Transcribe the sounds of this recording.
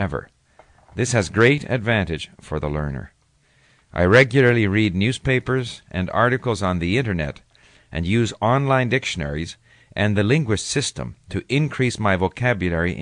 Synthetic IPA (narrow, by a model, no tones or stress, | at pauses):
ɛvə̰˞ | ðɪshɨzɡɹeɪɾɨ̰dvæ̃ntɨd̥ʒ̥fə˞ðəlɜ̰̃˞nə̰˞ | ʔa̰ɪɹɛɡjl̩ˠə˞lˠiɹidⁿnjʉz̥peɪpə˞zʔɨ̰̃nɑ̰ɹɾɨkl̩ˠzn̩ðiɪ̃ñə˞nɛ̰ɾ | ʔɨ̃njʉzɑ̃nlãɪ̃ndɪkʃɨnɛ̰ɹiz | ʔɨ̃nðɨlɪ̃ŋɡwɨʃsɪstə̰̃mtʰɨʔɪ̃nkʰɹ̥ismaɪvoʊkʰæbjɨl̩ˠɛɹiʔ